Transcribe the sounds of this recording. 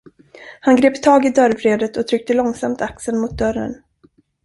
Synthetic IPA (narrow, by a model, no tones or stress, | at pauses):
hanɡɾeːpt̪ʰɑːɡɪd̪œɾvɾeːd̪ət̪ʰɔt̪ʰɾʏk̚t̪əlɔŋsamt̪ʰaksənmʊt̪̚d̪œɾːə̰n